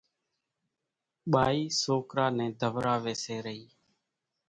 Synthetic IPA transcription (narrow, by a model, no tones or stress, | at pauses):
ɓaːiːsoːkɾaːnɛ̃ːd̪ʱəʋɾaːʋeːseːɾəɦiː